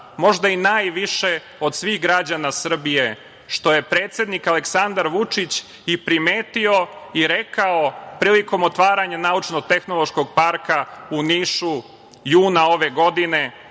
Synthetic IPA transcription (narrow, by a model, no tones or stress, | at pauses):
mo̞ʒd̪ainaːjʋiʃe | od̪sʋiːɣɡɾad͡ʑanasr̩bije̞ | ʃt̪o̞je̞pɾeːt̪sjed̪nikale̞ksand̪aɾʋut͡ʂit͡ɕ | ipɾime̞ːt̪io̞iɾe̞kao̞pɾiːliko̞mot̪ʋaːɾaɲanaut͡ʃnoɡ̚t̪e̞xnolˠo̞ʃkoɡ̚paɾkauniːʃu | juːnao̞ʋeɡo̞d̪ine̞